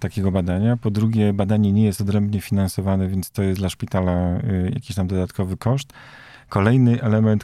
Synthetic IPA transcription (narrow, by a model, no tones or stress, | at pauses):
t̪akʲeɡɔbad̪aɲapɔd̪ɾuɡʲɛbad̪aɲɛɲɛjɛst̪ɔd̪ɾɛmbɲɛfʲinansɔvanɛvʲjɛnt̪st̪ɔjɛst̪laʂpʲit̪alaja̰kʲiɕt̪amd̪ɔd̪at̪kɔvɘkɔʂt̪kɔlɛjnɘʔɛlɛmɛnt̪